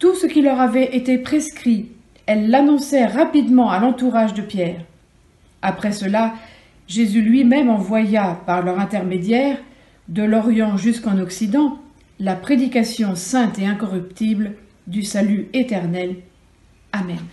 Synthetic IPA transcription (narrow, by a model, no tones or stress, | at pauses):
t̪usəkʲilœʁavɛʔet̪epχeskχi | ɛlːanɔ̃sɛʁapid̪mɑ̃alɑ̃t̪uʁaʒd̪əpjɛʁ | apχɛsəla | ʒezylɥimɛmɑ̃vwajapaʁlœʁɛ̃t̪ɛʁmed̪jɛʁ | d̪əlɔʁjɑ̃ʒyskɑ̃nɔksid̪ɑ̃ | lapχed̪ikasjɔ̃sɛ̃t̪eɛ̃kɔʁypt̪ibl | d̪ysalyet̪ɛʁnɛl | amɛn